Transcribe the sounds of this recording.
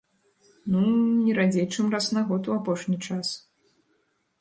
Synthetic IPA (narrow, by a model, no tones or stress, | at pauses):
nunʲɛɾad͡zʲejt͡ʂɨmrasnaɣɔt̪uapɔʂnʲit͡ʂas